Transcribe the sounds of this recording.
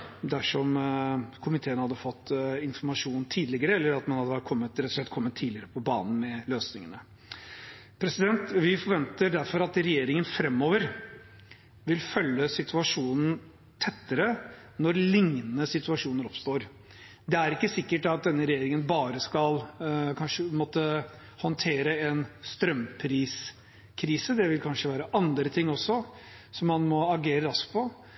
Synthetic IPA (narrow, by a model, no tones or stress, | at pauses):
d̪æʂɔmkʰʊmɪt̪ʰeːənhɑd̪ːəfɔt̪ːɪnfɔɾmɑʂuːnt̪ʰiːd̪lɪɡəɾəɛlːəɾɑt̪mɑnhɑd̪ːəkʰɔmːət̪ɾɛt̪ːʊʂlɛt̪kʰɔmːət̪ʰːiːd̪lɪəɾəpʰɔbɑːnn̩mɛløːsnɪŋənə | pʰɾɛsɪd̪ɛnt̪ʋɪfɔɾʋɛnt̪əɖ̪æɾfɔɾɑt̪ɾɛjeːɾɪŋənfɾɛmːoːʋəɾ | ʋɪlfœlːəsɪt̪ʰʉɑʂuːnn̩ | t̪ʰɛt̪ːəɾə | nɔɾlɪŋənəsɪt̪ʉɑʂuːnəɾɔpst̪oːɾ | d̪ɛæɾɪkːəsɪkːəʈɑt̪̚d̪ɛnːəɾɛjeːɾɪŋənbɑːɾəskɑlkʰɑnʂəmɔt̪ːə | hɔnt̪ʰeːɾəɛnst̪ɾœmpʰɾiːs | kʰɾiːsəd̪ɛʋɪlkʰɑnʂəʋæːɾəʔɑnd̪ɾət̪ʰɪŋːɔsːɔ | sɔmːɑnmɔɑɡeːɾəɾɑskpʰɔ